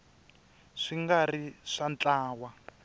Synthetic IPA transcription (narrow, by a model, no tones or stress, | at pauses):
ʂiŋɡariʂant͡ɬaːwa